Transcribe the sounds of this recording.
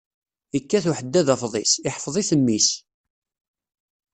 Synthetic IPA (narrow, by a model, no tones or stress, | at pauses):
əkːæθuħəd̪ːæðæfðˤɪsɪħfðˤiθəmːis